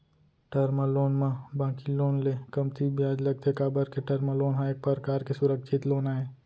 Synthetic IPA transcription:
ʈəɾmaloːnmãbãːkiloːnlekɐmt̪ʰibʱjaːd͡ʒlɐɡ̚t̪eekaːbəɾkeʈɐɾməloːnɦãːek̚pəɾkaːɾkesʊɾəkʃʰɪt̪loːnaːɦẽː

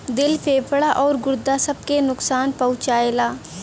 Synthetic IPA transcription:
d̪ɪlpʰeːpəɽaʔɔːɾɡʊɾd̪asəb̚kenʊksaːnpəʊ̃t͡ʃaːeːlaː

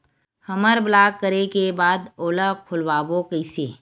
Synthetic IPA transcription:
həməɾblaːkːəɾekebaːd̪oːlakʰʊlwaːbokəɪseː

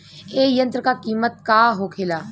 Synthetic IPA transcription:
eːjə̃nt̪ɾkaːkiːmət̪̚kaːɦoːkʰeːlaː

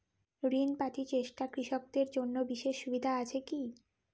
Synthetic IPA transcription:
ɾinpat̪it͡ɕeʃʈakɾiʃok̚d̪eɾd͡ʑonːobiʃeʃːubid̪ʱaat͡ɕʰeki

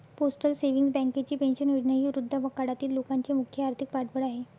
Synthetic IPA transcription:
posʈəlseʋiŋɡsbɛ̃ŋket͡ɕiːpẽnɕənoɽnaɦiːuɾud̪ʱːəbəkaɽat̪iːlːokaɲt͡ɕemukʰjəaɾt̪ʰik̚paʈbəɽaɦe

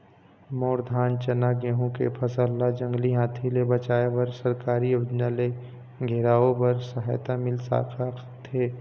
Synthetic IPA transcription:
moːɾd̪ʱaːnt͡ʃɐnaɡeɦũkḛpʰɐsəlːad͡ʒɐ̃ŋɡliɦãːt̪ʰilebɐt͡ʃaːebɐɾsɐɾkaːɾiod͡ʒnale | ɡʱeɾaːobɐɾsɐɦaːjt̪amɪlsa̰ːkʰa | t̪ʰeː

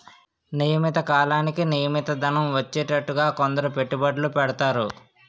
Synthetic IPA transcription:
nijɐmit̪ɐkaːlaːnikinijɐmit̪ɐd̪ɐnɐmʋɐt͡ʃːɛːʈɐʈːuɡaːkond̪ɐɾupe̞ʈːubɐɖlupɛɽɐt̪aːɾu

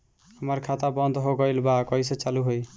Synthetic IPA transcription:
hʌmʌrkʰat̪abʌnd̪ɦoɡʌjlbakʌjsʌt͡saluɦoj

